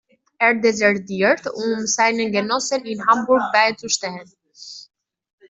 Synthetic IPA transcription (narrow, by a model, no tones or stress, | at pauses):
ɛɹd̪ɛzɛɹtiɾt̪umzajnənɡɛnɔsəninhambuɾɡ̚bajt͡suʃtɛlən